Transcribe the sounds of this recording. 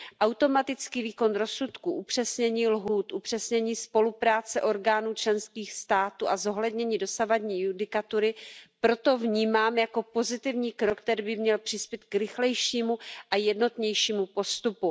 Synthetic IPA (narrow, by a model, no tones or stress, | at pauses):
ʔawt̪o̞mat̪ɪt͡skiːviːko̞nɾo̞sut̪kuʔupr̝̥ɛsɲɛɲiːlɦuːt̪ʔupr̝̥ɛsɲɛɲiːspo̞lupɾaːt͡sɛʔo̞ɾɡaːnuːt͡ʃlɛnskiːxst̪aːt̪uːʔazo̞ɦlɛdɲɛɲiːdo̞savadɲiːjudɪkat̪uɾɪpɾo̞t̪o̞vɲiːmaːmjako̞po̞zɪt̪ɪvɲiːkɾokt̪ɛɾiːbɪmɲɛlpr̝̥ɪspjɛt̪̚kɾɪxlɛjʃiːmuʔajɛdno̞t̪ɲɛjʃiːmupo̞st̪upu